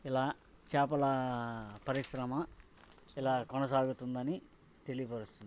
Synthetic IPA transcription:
ilaː | t͡ʃaːpɐlɐpɐɾiʃɾɐmɐ | ilaːkɔnɐs̬aːɡut̪und̪ɐni | t̪elijpɐɾust̪und̪i

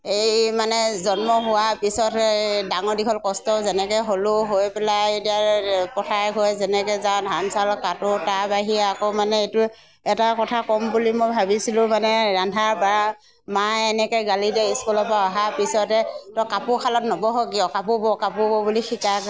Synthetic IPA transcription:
ejmanɛzɔnmɔɦʊwapisɔtɛdaŋɔɹdikʰɔlkɔstɔzɛnɛkɛɦolʊɦojpɛlaediaɹpɔtʰajɦojzɛnɛkɛzãdʱansalkatʊtabaɦiɛakɔmanɛetʊ | ɛtakɔtʰakɔmbulimojbʱabisilʊ̃manɛɹandʱaba | maɛnɛkɔjɡalidɛiskulɔpaɔɦapisɔtɛtɔkapʊkʰalɔtnɔbɔɦɔɡiɔkapubɔkapubɔbulixikak

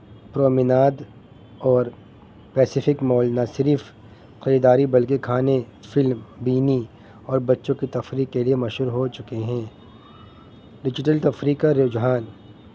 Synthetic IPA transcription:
pɾoːmɪnaːd̪ | ɔːɾ | pɛːsɪfɪkmɔːlnɐsɪɾf | qɐɾiːd̪aːɾibɐlkekʰaːne | fɪlmbiːni | ɔːɾbɐtːʃõkit̪ɐfɾiːkːeliemɐʃɦuːɾɦot͡ʃʊkeɦɛ̃ː | ɖɪd͡ʒɪʈəlt̪ɐfɾiːkaɾoːd͡ʒɦaːn

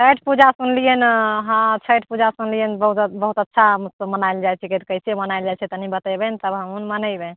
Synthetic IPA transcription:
t͡ʃʰəʈpud͡ʒasunlijenɦãt͡ʃʰəʈ̚pud͡ʒasunlijenbəɦut̪bəɦut̪ətːʃʰamsəmənajld͡ʒajt͡ʃʰikit̪kəɦisʰiemənajld͡ʒajt͡ʃʰɛt̪ənibət̪əbɛnt̪əbɦəmunmənəjbɛn

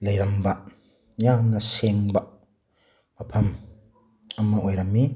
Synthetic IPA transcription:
lɐjɾɐmbɐʔ | jaːmnɐseŋbaʔ | ɐpʰɐm | ɐmːɐʔojɾɐmːi

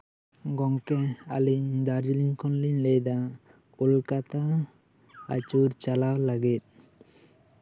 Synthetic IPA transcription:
ɡɔŋkɛa̰liɲd̪aɾd͡ʒliɲkʰɔnliɲlɛjd̪a | kulkat̪a | a̰t͡ʃuɾt͡ʃalawlaɡɛt̪̚

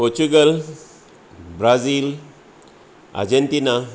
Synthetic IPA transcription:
pot͡ʃuɡəl | bɾazil | a̰d͡ʒent̪ina

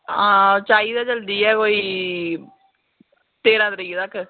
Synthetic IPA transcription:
ãːt͡ʃaːiːd̪aːd͡ʒəld̪iːɛːkoːiː | t̪eːɾãːd̪ɾiːt̪əkʰ

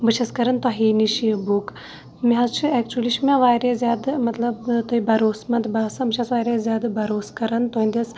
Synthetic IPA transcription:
bɨt͡ʃʰɐskɐɾɐnt̪ɐɦiniʃiɐbuk | miɦɐzt͡ʃʰɨek̚t͡ʃuliʃmẽʋaːɾezʲjaːd̪mɐt̪lɐbt̪oibɐɾoːsmɐt̪baːsɐmɨt͡ʃʰɐsʋaːjɾezʲjaːd̪bɐɾoːskɐɾɐnt̪oɦĩnd̪iɐs

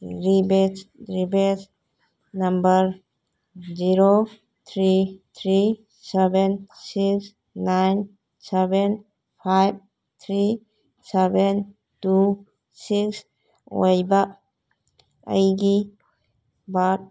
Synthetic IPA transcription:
ɾibet͡ʃɾibes | nambəɾ | ziɾo | t̪ʰɾit̪ʰɾi | sebensiks | najn | sɛben | pʰajb̚ | t̪ʰɾi | seben | tu | siks | o̰jba | ə̰jɡi | bat̚

